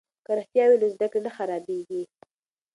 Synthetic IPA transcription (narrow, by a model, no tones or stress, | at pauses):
kaɾaxt̪jɑwelazd̪akɽenaxaɾɑbeɡi